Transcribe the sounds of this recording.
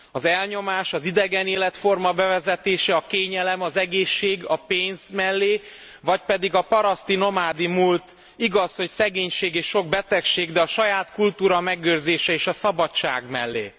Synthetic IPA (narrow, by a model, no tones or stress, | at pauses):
ɒzɛlɲo̞maːʃɒzid̪ɛɡɛneːlɛt̪fo̞rmɒbɛvɛzɛt̪eːʃɛɒkeːɲɛlɛmɒzɛɡeːʃːeːɡɒpeːnz̥mɛlːeː | vɒcpɛd̪iɡɒpɒɾɒst̪ino̞maːd̪imult̪ | iɡɒsho̞csɛɡeːɲʃeːɡeːʃʃoɡ̚bɛt̪ɛkʃeːɡd̪ɛɒʃɒjaːt̪kult̪uːɾɒmɛɡøːrzeːʃɛeːʃɒsɒbɒt͡ʃa̰ːɡmɛ̰lːḛː